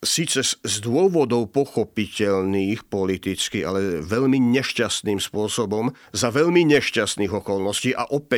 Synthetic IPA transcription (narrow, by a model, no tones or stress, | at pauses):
siːt͡sɛzd̪ʊɔʋɔd̪ɔʊpɔxɔpicɛʎniːxpɔlit̪it͡skia̰lɛʋɛʎmiɲɛʃcast̪niːmspʊɔsɔbɔm | zaʋɛʎmiɲɛʃcast̪niːɣɔkɔlnɔsciːʔaʔɔpɛ